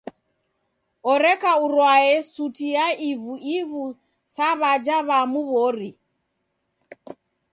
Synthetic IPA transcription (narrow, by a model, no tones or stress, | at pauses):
ɔɾɛkauɾwaɛsutijaʔivuivu | saβad͡ʒaβamuβɔɾi